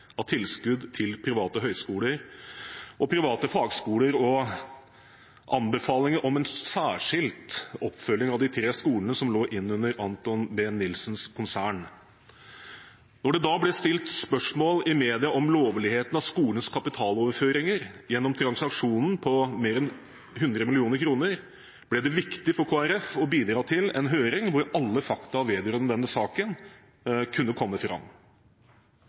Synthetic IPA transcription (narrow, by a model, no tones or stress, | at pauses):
ɑt̪ʰɪlskʉd̪t̪ʰɪlpʰɾɪʋɑːt̪əɦœʏskuːləɾ | ʔɔpʰɾɪʋɑːt̪əfɑːɡskuːləɾɔ | ʔɑnbəfɑːlɪŋəʔɔmɛnsæːʂɪlt̪ɔpːfœlːɪŋɑʋd̪ɪt̪ʰɾeːskuːlənəsɔmloːʔɪnːʉnːəɾɑnt̪ɔnbɛːnːɪlsnskʰʊnsæːɳ | nɔɖɛd̪ɑːblɛst̪ɪlt̪spœʂmoːlɪmeːd̪ɪɑʔɔmloːʋlɪheːt̪nɑʋskuːlənskʰɑpɪt̪ʰɑːloːʋəɾføːɾɪŋəɾjɛnːɔmt̪ʰɾɑnsɑkʂuːnn̩pʰɔmeːɾɛn | hʉnd̪ɾəmɪlɪuːnəɾkʰɾuːnəɾ | b̥lɛd̪ɛʋɪkt̪ɪfɔɾkʰoːæɾɛfɔbiːd̪ɾɑːt̪ʰɪlɛnɦøːɾɪŋʋʊɾɑlːəfɑkt̪ɑɑʋeːd̪ɾœnd̪ɛnːəsɑːkən | kʰʉnːəkʰɔmːəfɾɑ̰m